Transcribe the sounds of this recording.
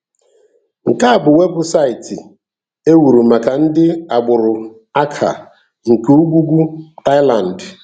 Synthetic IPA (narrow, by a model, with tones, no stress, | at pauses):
ŋ̩˨ka˦a˨bʊ˨we˦bʊ˦sa˦ɪ˨tɪ˨ | e˦wu˨ɾu˨ma˨ka˨n̩˦dɪ˦a˨ɡ͡bʊ˨ɾʊ˨ | a˦kʰa̰˨ | ŋ̩˨ke˨u˦ɡʷu˦ɡʷu˦ta˦ɪ˦la˨n̩˨d